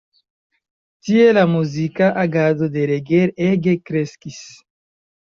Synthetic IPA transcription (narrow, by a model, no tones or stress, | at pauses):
tielamuzikaʔaɡadodeɾeɡeɾeɡekɾeskis